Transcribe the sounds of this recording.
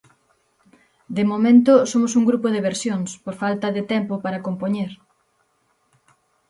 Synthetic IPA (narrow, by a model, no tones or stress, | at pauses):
d̪ɪmomẽnt̪ʊsomosuŋɡɾupoðeβeɾsjoŋspoɾfalt̪ɐðɪt̪ɛmpopaɾakompoɲeɾ